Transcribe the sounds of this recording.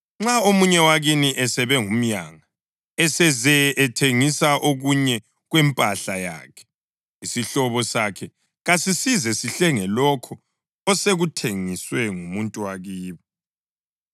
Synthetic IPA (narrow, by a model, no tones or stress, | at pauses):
ŋ͡ǁaomuɲɛwaɣiniʔɛsɛβɛŋum̩jaŋa | ɛsɛzɛʔɛtʰeŋisaʔoɣuɲɛ | ɣwɛmpʼaɬaja̰ːkʰɛ̥ | isiɬɔβɔsakʰɛ | ɣasisizɛsiɬɛŋɛlɔkʰɔ | ɔseɣutʰeŋiswɛŋumuntʼuwaɣiːβɔ